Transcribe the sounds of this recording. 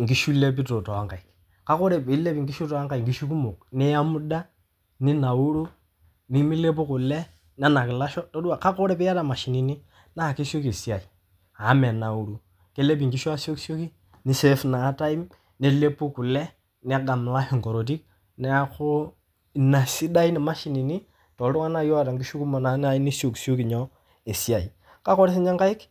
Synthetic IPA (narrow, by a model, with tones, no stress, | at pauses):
ŋɡi˨˦ʃu˦lːe˦p̬i˦to˨to˨wa˦ŋka˨i˨k | ka˦ko˦ɾe˦˨pi˨˦le˦pi˨ŋɡi˦ʃu˦to˨a˦ŋka˨i˨ŋ˨ɡi˦ʃu˦ku˦mo˨k̚ni˦ja˦mu˦da˦ | ni˦na˨u˦ɾu˦ | ni˦mi˦le˦p̬u˦ku˨lːɛ˦ | n˦a˦na˨ki˨la˦ʃɔ˦to˦du˦a˨ka˦ko˦ɾe˦pi˦ja˦ta˨ma˨ʃi˨ni˨˦ni˦ | na˦˨ki˦so˦ki˨si˦a˨i˨ | a˨˦me˨na˨u˦ɾu˦ | ke˦le˦bi˨ŋki˦ʃɔ˦a˦so˦kso˦ki˦ | ni˦se˦fnaː˨˦ta˦i˦m | ne˦˨le˦pu˦ku˨lɛ˦ | nɛ˦a˦ɡa˨m˨la˦hi˨ŋko˨ɾo˨t̬i˦k̚ | nɛ˦a˦kʊ˦˨ | na˨si˦da˦i˦ni˨ma˦ʃi˨ni˨ni˦ | tɔ˨ldʊ˦ŋa˦na˦˨jo˦a˦˨ta˨ŋɡi˦ʃu˦ku˦ma˨na˨na˦i˦ni˦so˨kso˦ki˨ɲɔ˦ | e˨si˦a˨i˨ | ka˦kɔ˦ɾe˦s̬ɪ˦ɲa˦ŋka˦ɪ˦k